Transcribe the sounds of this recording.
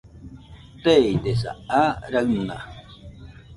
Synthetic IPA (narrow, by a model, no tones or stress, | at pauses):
t̪ejt̪esa̰aɾakna̰